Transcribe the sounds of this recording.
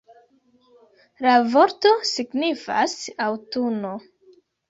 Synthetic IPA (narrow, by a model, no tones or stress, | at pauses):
lavo̞ɾtosiɡnifa̰sawtuno